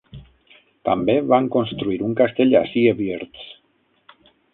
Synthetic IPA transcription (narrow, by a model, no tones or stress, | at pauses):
t̪ambeβaŋkonst̪ɾuiɾuŋkast̪eʎa̰siaβjeɾt̪s